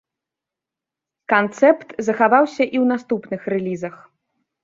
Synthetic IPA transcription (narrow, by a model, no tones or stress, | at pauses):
kant̪sɛpt̪zɐxavawsʲɐʔiwnast̪upnɨxrɛlʲizɐx